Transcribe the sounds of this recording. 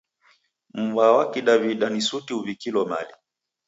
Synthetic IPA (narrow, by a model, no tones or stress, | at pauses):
m̩vawakiɗaviɗanisutiuvikilɔma̰li